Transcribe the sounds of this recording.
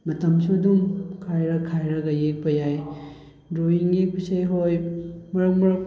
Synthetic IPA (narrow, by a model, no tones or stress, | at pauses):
mɐtɐmsudumkʰajɾɐkʰajɾɐɡɐjek̚pɐjaj | ɾojiŋjek̚pʰusejɦojmɐɾɐk̚mɐɾɐk̚